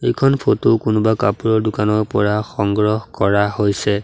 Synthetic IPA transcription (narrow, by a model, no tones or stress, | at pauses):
ejkʰɔnpʰotokʊnʊbakapuɹɔɹdʊkanɔɹpɔɹaxɔŋɡɹɔhkɔɹahojsɛ